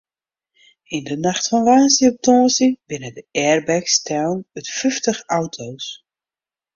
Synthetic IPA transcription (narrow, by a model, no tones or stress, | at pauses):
ɪndənaxtfɔnʋaːnsiɔp̚tɔːsibɪnədəɛrbɛkstʰɛwnətfyftəxawtʰows